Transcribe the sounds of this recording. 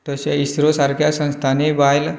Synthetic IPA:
t̪əɕaisɾosaɾkʰjasə̃ñst̪ʰanebajl

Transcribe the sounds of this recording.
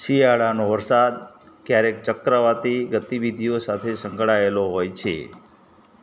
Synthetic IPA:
ʃijaɭanoʋəɾsad̪̚ | kjaɾek̚t͡ʃəkɾəʋat̪iɡət̪iʋid̪ʱijosat̪ʰesəŋkɭaeloɦojt͡ʃʰḛ

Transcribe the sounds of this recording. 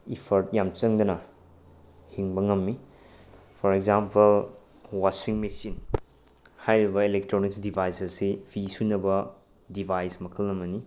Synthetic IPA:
ipʰɐɾt̚jamt͡ʃɐŋd̪ɐnɐ | hiŋbɐŋɐmːi | pʰɔɾekzampɐl | wasiŋmisin | hajɾibɐilek̚tɾoniksdibʱajsɐsipʰisunːɐbɐ | dibʱajsmɐkʰɐlːɐmːɐni

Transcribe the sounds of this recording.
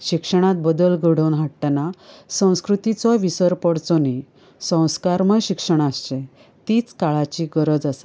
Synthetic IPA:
ɕikʂəɽ̃at̪̚bəd̪əlɡʱəɽ̤əwnɦaʈːanasə̃w̃skɾut̪it͡sɔʋisəɾpɔɽt͡sɔni | sə̃w̃skaɾməɕikʂəɽ̃ast͡ɕẽ | t̪iːt͡skaɭat͡ɕiɡəɾəd͡zasa

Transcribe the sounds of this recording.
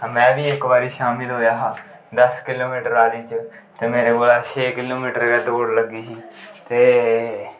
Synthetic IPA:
mɛ̃ːbiːɪkʋaːɾiːʃaːmɪlɦoːjaːɦaː | d̪əskɪloːmiːʈəɾaːɾiːt͡ʃ | t̪eːmeːɾeːkoːlaːt͡ʃʰeːkɪloːmiːʈəɾkɛːt̪okoɽləɡiːsiːt̪eː

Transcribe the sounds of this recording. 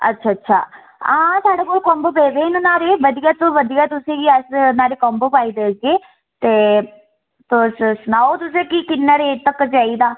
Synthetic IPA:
ə̰tːʃʰaːtːʃʰa̰ː | ãːsaːɖeːkoːlkɔ̃ːmbopeːʋeːnnaːɾeːʋəd̪ijaːt̪õːʋəd̪ijaːt̪ʊsẽːiəsnaːɾeːkɔmbəpaːiːd̪eːd͡ʒeː | t̪eː | possʊnaːot̪ʊsẽːkiːkɪnːaːɾeːt̪əkd͡ʒaːiːd̪aː

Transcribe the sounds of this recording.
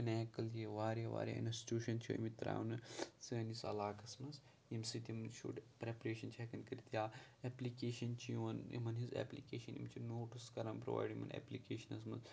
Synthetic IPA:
ɐneːkɐljeʋaːɾjɐʋa̰ːɾʲja̰ːḭnɐsi̥ʈuːʃɐnt͡ʃʰiḭmit̪ɾa̰ːʋnɨsəːnisɐ̰laːkɐsmɐz | jimsit̪imɐnʃṵːʈpɾepɾeːʃɐnt͡ʃʰɛkɐnkɐɾit̪jaːeplikeːʃɐnt͡ʃʰiɐnḭmɐnɦizḛplikeːʃɐnḭmt͡ʃʰinoːʈɨskɐɾɐmpɾo̰ʋa̰ːjɖimɐ̰nḛplikeːʃɐnɐs̬mɐz

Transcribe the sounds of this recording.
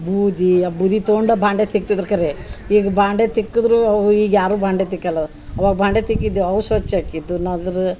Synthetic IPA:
buːd̪iɐbuːd̪it̪oɳɖɐbʱaːɳɖet̪ik̚t̪id̪ɐɾkɐɾeiːɡɐbaːɳɖet̪ikːud̪ɾuɐʋuiːɡjaːɾuːbaːɳɖet̪ikːɐlːɐ | ɐʋaːɡɐbʱaːɳɖet̪ikːid̪ːuɐʋusʋɐt͡ʃːɐːkid̪ːunɐd̪ɐɾu

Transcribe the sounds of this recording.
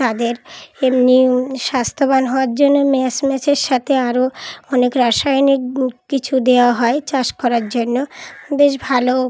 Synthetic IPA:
t̪ad̪eɾemniʃast̪ʰobanɦɔoaɾd͡ʑonːomɛsmɛt͡ɕʰeɾʃat̪ʰeaɾoɔnekɾaʃajnikkit͡ɕʰud̪eoaɦɔet͡ɕaʃkɔɾaɾd͡ʑonːobeʃbʱalo

